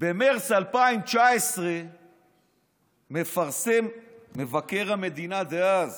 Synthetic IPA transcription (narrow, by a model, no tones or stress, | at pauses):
bemeʁt͡salpaimt͡ʃaesʁe | me̞faʁsemːevake̞ʁhame̞d̪inad̪eaz